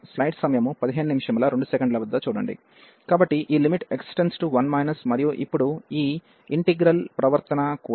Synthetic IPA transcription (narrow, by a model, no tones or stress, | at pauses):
slɐjʈsɐmɐjɐmupɐd̪iɦeːnunimiʂɐmlɐːɾe̞ɳɖusekɐɳɖlɐʋɐd̪ːɐt͡ʃuːɽɐ̰ɳɖḭ | kaːbɐʈːiʔiːlimiʈeksʈensʈuʋɐnmɐjnɐsmɐɾijuʔḭpːuɽuiː | iɳʈiɡɾɐlpɾɐʋɐɾt̪ɐnɐku